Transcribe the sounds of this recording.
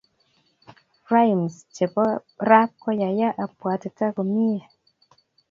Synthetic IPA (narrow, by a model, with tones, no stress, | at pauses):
ra˦jmst͡ʃe˨pɔ˦ra˦p̚kɔ˦ja˨ja˦ʔa˨pwa˨te˨ta˦ko˨mi˦a˨